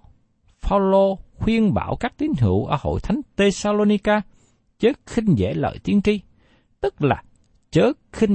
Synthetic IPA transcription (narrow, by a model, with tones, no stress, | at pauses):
faː˧wlo˧xwi˧ənɓa̰ː˧˩wkaː˦˥k̚t̪i˨˦əŋ̟ɦḭ˧˨əwʔəː˧˩ho̰˧˨jt̪ʰa˨˦jŋ̟t̪e˧saː˧lo˧ni˧kaː˧ | t͡ɕəː˨˦xï˧ŋ̟zḛ˧˥lə̰ː˧˨jt̪i˨˦ənt͡ɕi˧ | t̪ɨ˦˥k̚la̰ː˨˩ | t͡ɕəː˨˦˥xï˧ŋ